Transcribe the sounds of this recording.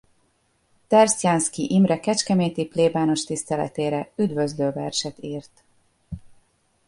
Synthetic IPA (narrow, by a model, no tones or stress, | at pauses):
t̪ɛrsjanskiʔimrɛkɛt͡ʃkɛmeːt̪ipleːbaːno̞ʃt̪ist̪ɛlɛ̰t̪eːɾɛyd̪vøzløːvɛ̰rʃɛt̪iːrt̪